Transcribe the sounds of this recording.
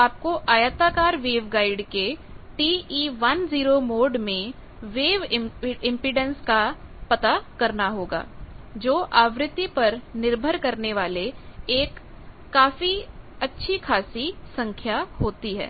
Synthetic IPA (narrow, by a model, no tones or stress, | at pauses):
aːp̚koʔaːjət̪aːkaːɾʋeːʋɡaːɪɖkeʈiːiːʋɐnziːɾomoːɖmẽ | ʋeːʋɪ̃mpɪɖə̃nskapɐt̪akɐɾnaɦoːɡa̰ː | d͡ʒoːʔaːʋɾɪt̪ːipɐɾnɪɾbʱəɾkɐɾneʋaːleeːkː | aːfiɐtːʃʰikʰaːsisɐ̃ŋkʰjahoːt̪iɦɛ̰ː